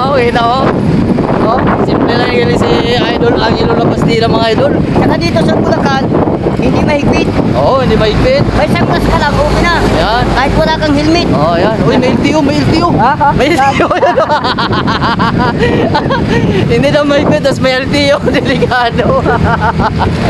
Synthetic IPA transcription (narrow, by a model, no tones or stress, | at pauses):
okɛnɐʔo | ʔo | simpɾɛlɐjkɐlɪsi | ʔajd̪olɐŋɪlolɐpɐst̪iːɾɐmɐŋajd̪olsɐkɐd̪iːt̪osɐbʊlɐkan | hɪnd̪imɐhɪpɪt̪̚ʔohɪnd̪imɐhɪpɪt̪̚mɐjsɐŋt̪ɐskɐlaɡokɪnajankaːhɪt̪wɐlaːkɐŋhɪlmɪt̪ʔojanʔojmɐʔɪlt̪iʔomɐjɪlt̪iomɐɪlt̪ɪojɐno | hɪnd̪inɐmɐhɪpɪt̪̚ːɐsmɐjʔɐlt̪ijod̪ɛlɪkaːd̪o